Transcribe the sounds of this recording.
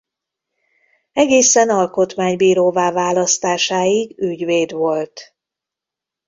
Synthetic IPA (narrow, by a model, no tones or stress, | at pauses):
ɛɡeːsɛnɒlko̞t̪maːɲbiːɾoːvaːvaːlɒst̪aːʃaːjiɡyɟveːd̪ʋo̞lt̪